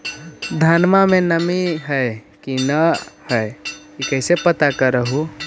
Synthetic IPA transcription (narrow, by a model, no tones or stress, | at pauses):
d̪ʱanmamẽnəmiɦəe | kinəhəkikəɪsepət̪akəɾəɦu